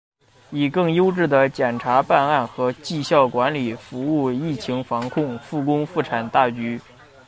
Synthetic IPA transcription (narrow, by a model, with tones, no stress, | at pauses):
i˨˩kɤ˥˩ŋjo˥ʊʈ͡ʂɻ̩˥˩d̪ə˩t͡ɕjɛ˨˩nʈ͡ʂʰa˧˥pa˥˧na˥˩nxɤ˧˥t͡ɕi˥˧ɕjɑ˥˩ʊkwa˧˥nli˨˩fu˧˥u˥˩˧i˥˩t͡ɕʰi˧˥ŋfɑ˧˥ŋkʰʊ˥˧ŋfu˥˩kʊ˥ŋfu˥˩ʈ͡ʂʰa˨˩nt̪a˥˩t͡ɕy˧˥